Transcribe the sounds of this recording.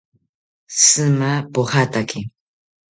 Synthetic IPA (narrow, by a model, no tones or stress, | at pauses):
sɨmapohat̪akɪ